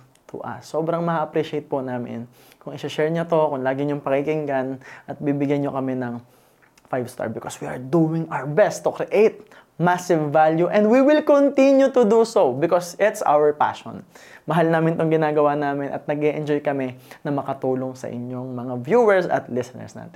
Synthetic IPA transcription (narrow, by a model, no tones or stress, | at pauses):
t̪ʰʊ̰ʔɐ̰sːoːbɾɐŋmɐʔɐpɾiʃejt̪̚pʊnaːmɪ̰n | kʊŋɪsɐʃɛɹɲɐt̪o̞kʊŋlaːɡɪɲoŋpɐkɪkɪŋɡanʔɐt̪̚bibɪɡjanokɐmɛnɐŋ | fajvst̪a̰ɹbɪkoswiʔɐɹd̪uwɪŋʔaɹbɛst̪ːʊkɾɪʔejt̪̚ | masɪvːaljuʔɛ̃nd̪wiwɪlkont̪injut̪ʊd̪usobɪkosɪt̪sʔa̰wɛɹpa̰ʃɔ̰nmɐɦalnaːmɪnt̪oŋɡɪnaːɡɐwaːnaːmɪnʔɐ̰t̪̚nɐɡ̚ʔɛʔɛnd͡ʒojkɐmɛnɐmɐkɐt̪uːlo̞ŋsɐ̰ʔɪ̰ɲoŋmɐŋavjuːwɛɹsɐ̰t̪lɪsɛnɛ̰ɹsna̰ːt̪ɛ